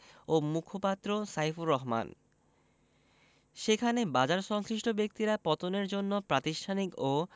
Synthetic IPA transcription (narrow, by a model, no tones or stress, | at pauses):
omukʰopat̪ːɾosajfuɾɔɦma̰n | ʃekʰanebad͡ʑaɾʃɔŋʃɾiʃʈʰobek̚t̪iɾapɔt̪oneɾd͡ʑonːopɾat̪iʃʈʰaniko